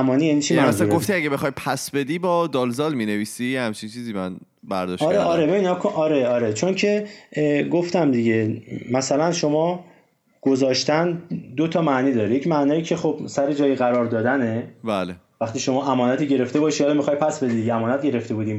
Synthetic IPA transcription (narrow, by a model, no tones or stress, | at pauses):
æmɒːnijæniːt͡ʃʰimæsɡoft̪iæɡebexχɒːjpʰæsbed̪ibɒd̪ɒːlzɒːlmineviːsijehæmt͡ʃʰint͡ʃʰiːziːmæn | bæ̰ɾd̪ɒʃɒːɾɾeʔɒːɾebe̞binkʰoʔɒːɾe̞ɒːɾe̞t͡ʃʰo̞ŋcʰe̞ | ɡoft̪æmd̪iɟe̞mæsælænʃo̞mɒː | ɡ̥o̞zɒːʃt̪ænd̪ot̪ʰɒːmæʔnid̪ɒːɾijekcmæʔnɒːjiːcʰe̞χob̥sæɾe̞d͡ʒɒːjiɣæɾɒːɾd̪ɒːd̪ænebælevæxt̪iːʃo̞mɒːʔæmɒːnæt̪ʰiːɟe̞ɾe̞ft̪e̞bɒːʃihɒːlɒmixɒːjpʰæsbe̞d̪id̪ieæmɒːnæt̪̚ɟe̞ɾe̞ft̪e̞buːd̪iːm